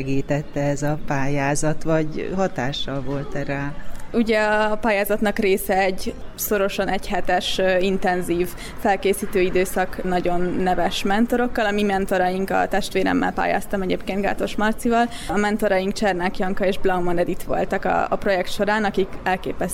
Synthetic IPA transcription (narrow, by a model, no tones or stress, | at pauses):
ɛɡiːt̪ɛt̪ːɛɛzɒpaːjaːzɒt̪ʋɒɟɦɒt̪aːʃːɒlvo̞lt̪ɛɾaːuɟɛɒpaːjaːzɒt̪nɒkreːsɛɛɟso̞ɾo̞ʃɒnɛɟhɛt̪ɛʃint̪ɛnziːv | fɛlkeːsiːt̪øːid̪øːsɒknɒɟo̞nːɛvɛʃmɛnt̪o̞ɾo̞kːɒlɒmimɛnt̪o̞ɾɒjiŋkɒ̰t̪ɛʃt̪ʋeːɾɛ̰mːɛ̰lpa̰ːja̰ːst̪ɒmɛɟḛːpkeːnt̪ɡa̰ːt̪o̞ʃmɒrt̪sivɒlɒmɛnt̪o̞ɾɒjiŋkt͡ʃɛrnakjɒŋkɒeːʒblɒwmonɛd̪it̪ʋo̞̰lt̪ɒkɒ̰ːpro̞jɛkt̪ʃo̞ɾaːnɒkikɛlkeːpɛs